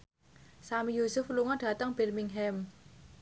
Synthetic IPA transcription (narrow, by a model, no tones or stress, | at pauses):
samijusʊfluŋɔɖ̥ä̤t̪əŋb̥ɛrmɪŋɦɛm